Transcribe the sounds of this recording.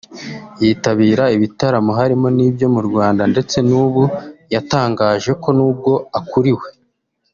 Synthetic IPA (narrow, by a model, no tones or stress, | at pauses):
jiːtaβiːɾaiβitaɾamoɦaɾimo̞niːbjo̞muɾɡwaːndande̞t͡se̞nuːβujataːŋɡaːʒe̞ko̞nuːb̚ɡo̞akuɾiwe̞